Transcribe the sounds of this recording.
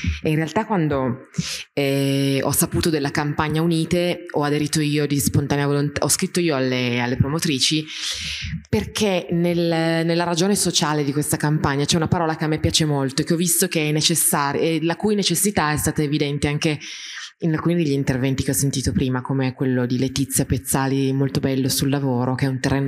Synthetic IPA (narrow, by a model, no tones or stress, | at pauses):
inrealt̪akːwand̪o | ɛɔ̰sːapuːt̪od̪elːakampaɲːauniːt̪eɔad̪eɾiːt̪oiːod̪ispont̪aneavolont̪aɔskɾit̪ːoiːoalːealːepɾomot̪ɾiːt͡ʃi | perkʰenelnelːaɾad͡ʒoːnesot͡ʃaːled̪ikwest̪akampaɲːat͡ʃɛunapaɾɔːlakeamːepːjaːt͡ʃemolt̪oekːeɔvist̪ok̟eɛnːet͡ʃesːaːɾelakuːjnet͡ʃesːit̪aɛst̪aːt̪aevid̪ɛnt̪eaŋkeinalkuːnid̪eʎːint̪ervɛnt̪ik̟eɔsːent̪iːt̪opɾiːmakomeekwelːod̪ilet̪it̪sːjapet̪sːaːlimolt̪obɛlːosulːavoːɾok̟eɛunt̪erːeːno